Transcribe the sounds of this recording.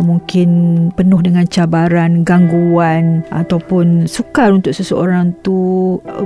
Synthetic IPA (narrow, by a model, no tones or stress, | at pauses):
mũŋkɪnpənʊhdəŋãnt͡ʃabaɾanɡaŋɡuanʔa̰t̪awpʊnsukalunt̪ʊʔ̚səsəo̰ɾaŋt̪u